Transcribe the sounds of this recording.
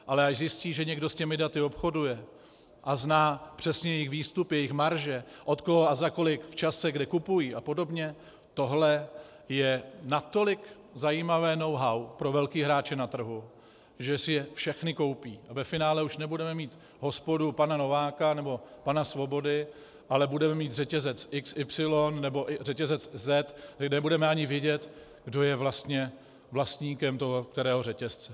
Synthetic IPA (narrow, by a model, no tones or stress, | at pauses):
ʔalɛaʃzɪsciːʒɛɲɛɡdo̞scɛmɪdat̪ɪo̞pxo̞dujɛ | ʔaznaːpr̝̥ɛsɲɛjɛjɪxviːst̪upjɛjɪxmaɾʒɛʔo̞t̪koɦoazako̞lɪkft͡ʃasɛɡdɛkupujiːʔapo̞do̞bɲɛ | t̪o̞ɦlɛ | jɛnat̪o̞lɪk | zajiːmavɛːno̞wɦawpɾo̞vɛlkiːɦɾaːt͡ʃɪnat̪r̩ɦu | ʒɛsɪjɛfʃɛxnɪko̞wpiːʔavɛfɪnaːlɛuʃnɛbudɛmɛmiːt̪ | ɦo̞spo̞dupanano̞vaːkanɛbo̞panasvo̞bo̞dɪ | ʔalɛbudɛmɛmiːt̪rɛcɛzɛt͡sʔɪksɪpsɪlonːɛbo̞ʔɪrɛcɛzɛt͡szɛt̪nɛbudɛmɛaɲɪvjɛɟɛt̪ | ɡdo̞jɛvlast̪ɲɛ | vlast̪ɲiːkɛmt̪oɦok̚t̪ɛɾɛːɦo̞rɛcɛst͡sɛ